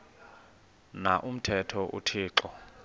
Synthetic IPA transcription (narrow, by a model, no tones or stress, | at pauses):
naʔum̩tʰɛtʰɔʔṵtʰiːǁɔ